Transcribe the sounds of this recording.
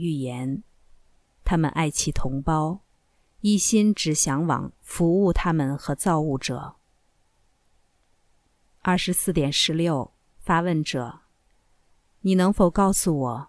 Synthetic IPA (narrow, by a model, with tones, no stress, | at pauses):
y˥˩jɛ˧˥n | t̪ʰa˥mə̰˨nʔa˥˧ɪt͡ɕʰi˥˩t̪ʰʊ˧˥ŋpɑ˥ʊ | i˥˩ɕi˥nʈ͡ʂɻ̩˨˩ɕjɑ˧˥ŋwɑ̰˨˩˦ŋfu˧˥u˥˩t̪ʰa˥mə˨nxɤ˧˥t͡sɑ˥˧ʊu˥˩ʈ͡ʂɤ̰˨˩˦ | ɐ˥˩ʂɻ̩˧˥sɹ̩˥˩t̪jɛ˨˩nʂɻ̩˧˥ljo˥˩ʊ | fa˥wə˥˩nʈ͡ʂɤ̰˨˩˦ | ni˨˩nɤ˧˥ŋfo˧˩ʊkɑ˥˩ʊsu˨˩wɔ˨˩˦